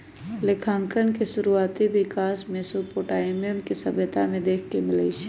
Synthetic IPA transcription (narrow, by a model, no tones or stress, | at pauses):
lekʰãːŋkənkeʃʊɾuaːt̪ibɪkaːsmẽsopoʈaːɪmijəmkisəbət̪amẽd̪eːkʰkemɪlət͡ʃʰ